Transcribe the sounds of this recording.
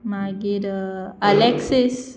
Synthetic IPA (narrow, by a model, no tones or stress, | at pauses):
maɡiɾəleksis